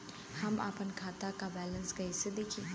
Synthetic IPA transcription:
hɐma̰ːpənkʰaːt̪akabɛːlənsɡɐisɪd̪eːkʰi

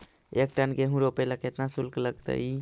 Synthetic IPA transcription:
ek̚ʈənkeɦũɾopəjlaket̪nasulkləɡt̪ə̰j

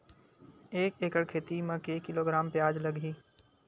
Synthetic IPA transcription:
eːkeːkəɽkʰeːt̪imãkeːkːɪloːɡɾaːmpeaːd͡ʒlɐɡiː

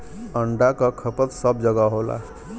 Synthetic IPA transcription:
əɳɖakəkʰəpət̪səbd͡ʒəɡaɦola̰

